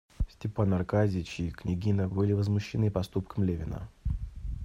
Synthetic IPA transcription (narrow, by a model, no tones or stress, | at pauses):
sʲtʲɪpanɐrkazʲɪt͡ɕiknʲɪɡʲinəbɨlʲɪvəzmʊɕːɪnɨpɐst̪upkəmlʲevʲɪnə̰